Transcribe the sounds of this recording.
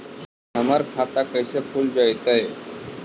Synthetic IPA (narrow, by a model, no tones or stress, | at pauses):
ɦəmaɾkʰat̪akəjsekʰuld͡ʑajt̪aje